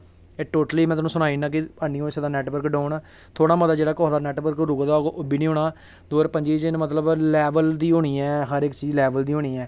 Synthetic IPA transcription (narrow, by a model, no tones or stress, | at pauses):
eːʈoːʈəliːmɛ̃ːt̪ːnũːsʊnaːiːnãːk̬ɪpaːniːõɪsed̪aːnɛːʈʋəɾkɖɔːnaː | t̪ʰoːɽ̃aːmət̪aːd͡ʒeːɽaːkɔːd̪aːnɛːʈʋəɾkɾʊɡd̪aːɡbiːnĩːɦoːɳaː | d̪oːɾpəɲd͡ʒiːt͡ʃɪnmət̪ləblɛːʋəld̪iːɦoːɽiːɛːɦəɾɪkt͡ʃiːzlɛːʋəld̪iːɦoːniːɛː